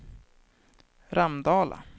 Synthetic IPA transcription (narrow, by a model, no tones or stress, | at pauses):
ɾamd̪ɑːla̰